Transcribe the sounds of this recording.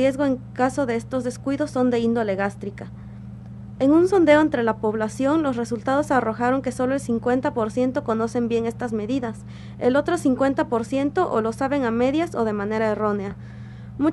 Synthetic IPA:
ezɣo̞eŋkaso̞ðe̞e̞st̪o̞zðe̞skwiðo̞sːo̞nd̪e̞ind̪o̞le̞ɣast̪ɾika | e̞ŋunso̞nd̪e̞oent̪ɾe̞lapo̞βlasjo̞ŋlo̞sre̞sult̪aðo̞saro̞xaɾo̞ŋke̞so̞lo̞elsiŋkwe̞nt̪apo̞ɾsje̞nt̪o̞ko̞no̞se̞mbje̞ŋe̞st̪azme̞ðiðas | e̞lo̞t̪ɾo̞siŋkwe̞nt̪apo̞ɾsje̞nt̪o̞ʔolo̞saβe̞ŋame̞ðjaso̞ð̞e̞mãne̞ɾaero̞nea | mu

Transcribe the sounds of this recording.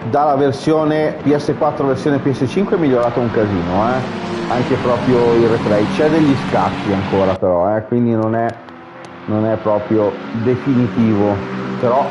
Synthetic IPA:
d̪alːaversjoːnepiɛsːekwat̪ːɾoversjoːnepiɛsːet͡ʃiŋkweɛmːiʎːoɾaːt̪ouŋkaziːnoɛaŋkepɾɔːpɾjoirefɾɛjt͡ʃɛd̪eʎːiskat̪ːiaŋkoːɾapeɾɔɛkwind̪inonɛ | nonɛpːɾɔːpɾjod̪efinit̪iːvopeɾɔ

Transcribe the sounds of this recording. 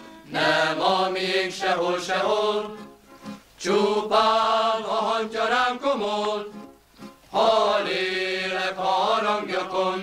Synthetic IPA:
nɛmɒmijeŋkʃɛɦolʃɛɦol | t͡ʃupaːnɔɦɒɲcɒɾaːŋkomol | hɒleːlɛkɒɾɒŋɡjɒkon

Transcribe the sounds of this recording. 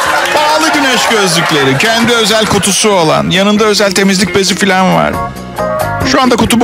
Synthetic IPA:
b̥aːlˠɯɟynɛʃɟø̞zlʲyclʲe̞ɾicʰɛnd̪iø̞zælʲkʰot̪ʰusuo̞lˠa̰njanɯnd̪aø̞zælʲt̪ʰe̞mizlʲc̚be̞zʲifilʲænva̰ɾ̥ | ʃuand̪akut̪ʰub

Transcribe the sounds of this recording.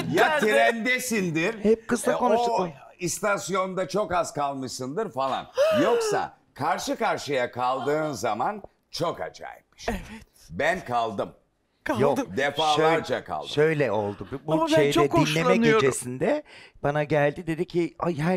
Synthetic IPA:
jat̪iɾænd̪esind̪iɾhɛp̚kɯzlakonat͡ʃ | ist̪asjo̞nnd̪at͡ʃʰo̞kaz̥kalˠmɯʃsɯnd̪ɯɾfalˠa̰njo̞ksa̰ | kʰaɾʃɯkaɾʃɯjakʰalˠd̪ɯːnzaman | t͡ʃʰo̞ka̰t͡ʃʰa̰jmɯ̥ʃɛvɛt | bænkʰalˠd̪ɯm | kʰajod̪efaːʃøjɾd͡ʒakʰa̰lˠʃø̞jlʲɛo̞lˠd̪ubbuʃejt͡ʃʰoɛdk̪ːinlːʲeːmɛnɟeod͡ʒesind̪ɛb̥anaɟælʲd̪id̪e̞d̪icʰiajɦæ

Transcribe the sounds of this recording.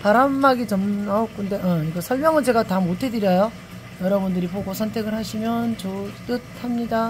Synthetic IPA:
paɾamːaɡit͡ɕʌmnaok͈ʰunde̞ʌɲik͈asʰʌɭmjʌŋɯd͡ʑeɡatamotʰe̞dɯɾjʌjo | jʌɾʌbundɯɾipoɡosʰʌntʰe̞ɡɯɭhaɕʰimjʌnt͡ɕot͈ɯt̚hamɲida

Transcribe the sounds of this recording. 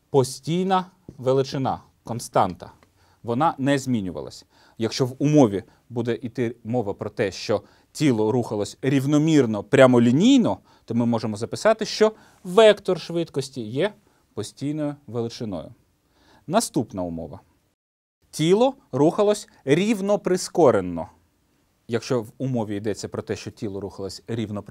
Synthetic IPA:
pɔsʲtʲijnɐ | ʋelˠɪt͡ʃɪnɑ̰ | kɔnst̪ɑnt̪ɐ̰ | ʋɔnɑnɛzʲmʲinʲʊʋɐ̰lˠɐ̰sʲ | jɐkʃt͡ʃɔʋʊmɔʋʲi | bud̪ɛʔit̪ɪmɔʋɐpɾɔt̪ɛʃt͡ʃɔ | tʲilˠɔɾuxɐlˠɔsʲɾʲiwnɔmʲirnɔpɾʲamɔlʲinʲijnɔ | t̪ɔmɪmɔʒemɔzɐpɪsɑt̪ɪʃt͡ʃɔ | ʋɛkt̪ɔrʃʋɪt̪kɔsʲtʲijɛ | pɔsʲtʲijnɔjʊʋelˠɪt͡ʃɪnɔ̰jʊ̰ | nɐst̪upnɐʊmɔ̰ʋɐ̰ | tʲilˠɔɾuxɐlˠɔsʲ | ɾʲiwnɔpɾɪskɔɾenːɔ̰ | jɐkʃt͡ʃɔʋʊmɔʋʲiid̪ɛt͡sʲːɐpɾɔt̪ɛʃt͡ʃɔtʲilˠɔɾuxɐlˠɔsʲɾʲiwnɔp

